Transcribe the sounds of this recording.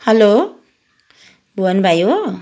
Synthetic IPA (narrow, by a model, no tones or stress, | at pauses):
hɛlo | buanbʱajo